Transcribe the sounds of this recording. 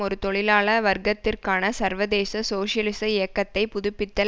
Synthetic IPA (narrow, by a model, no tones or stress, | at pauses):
ɔɾɯt̪ɔɭɪlaːɭɐʋɐɾɡɐt̪ːɪrkaːnɐsɐɾʋɐðeːsɐsoːʂɪjɐlɪsɐɪjɐkːɐt̪ːɐɪpʊðʊpːɪt̪ːɐ